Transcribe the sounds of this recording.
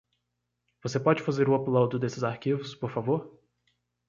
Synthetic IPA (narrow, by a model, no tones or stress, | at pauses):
v̥osepɔd͡ʒɪfazeɾʊaplawd̪ʊd̪esɪzaɾkivʊspoɾfavoɾ